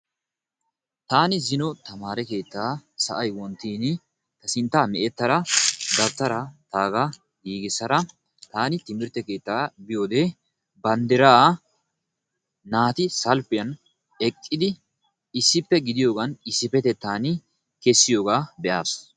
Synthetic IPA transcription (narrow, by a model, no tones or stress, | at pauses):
t̪aːnɪzɪnɔt̪ɐmaːɾɛke̞ːt̪ːaːsɐ̰ʔɐjwɔnt̪ːiːnɪ | t̪ɐsɪnt̪ːaːmɛʔɛt̪ːɐɾɐd̪ɐbt̪ɐɾɐt̪aːɡɐ | ɡiːɡɪsɐɾɐ | t̪aːnɪt̪ɪmɪɾt̪ɛke̞ːt̪ːaːbɪjo̞ːd̪eː | bɐnd̪ɪɾaː | naːt̪ɪsɐlpɪjɐn | ɛkʼːɪd̪ɪ | ɪsːɪpːɛɡɪd̪ɪjo̞ːɡɐnɪsːɪpɛt̪ɛt̪ːaːnɪ | kɛsːɪjo̞ːɡaːbɛʔaːs